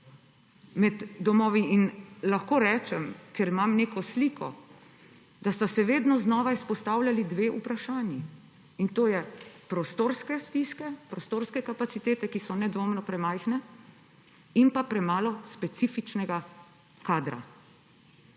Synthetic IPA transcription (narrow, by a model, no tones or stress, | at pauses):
mɛd̪ːɔmɔːʋiinlaxkoːɾɛːt͡ʃɛmkɛɾimamneːkɔsliːkʰɔ | d̪ast̪asɛʋeːd̪nɔznɔːʋaispɔst̪aːwlʲjalid̪ʋeːʔupɾaʃaːnji | int̪oːjɛpɾost̪oːɾskɛst̪iskɛpɾost̪oːɾskɛkapat̪sit̪eːt̪ɛkisɔnɛd̪ʋoːmnɔpɾɛmajxnɛ | impapɾɛmaːlɔspɛt̪sifit͡ʃnɛɡa | kaːd̪ɾa̰